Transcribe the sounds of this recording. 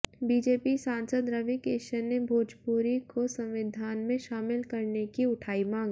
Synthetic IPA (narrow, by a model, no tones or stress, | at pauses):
biːd͡ʒeːpisãːnsəd̪ɾɐʋikeːʃəɾnebʱoːd͡ʒpuːɾikosɐ̃mʋɪd̪ʱaːnmẽʃaːmɪlkɐɾnekiʊʈʰaːimãːŋɡ